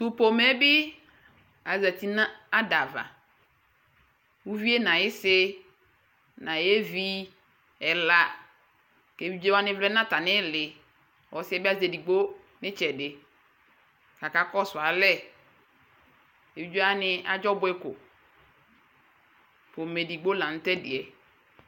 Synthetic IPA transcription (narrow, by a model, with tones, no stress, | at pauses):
tʊ˨po˨mɛ˦bi˦ | a˨za˨t̪i˦na˦a˦da˨va̰˨ | wu˦vi˦e˦nã˨jɪ˦sɪ˦ | nã˨jɛ˦vi˦ | ɛ˨la˨ | ke˨vi˦d͡ʒe˦wa˦nɪ̃˦vlɛ˦nã˦ta˨nɪ̃˦lɪ˨ | ɔ˨˦sɪ˦ɛ˦bɪ˦a˦zɛ˨di˨ɡ͡bo˦ | nɪ̃˦t͡ʃɛ˨dɪ˨ | ka˨ka˦kɔ˦sʊ˨a˨lɛ˦˨ | e˨wi˦d͡ʒᶣe˦a˦nɪ̃˦a˨d͡ʒɔ˦bʊ˦ɛ˦kʊ̰˨ | po˨mɛ˨di˨ɡ͡bo˦lã˨n̩˦tɛ˦dɪ̰˨ɛ˨